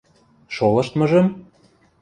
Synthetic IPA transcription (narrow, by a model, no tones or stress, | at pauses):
ʃolɤ̆ʃt̪mɤ̆ʒɤ̆m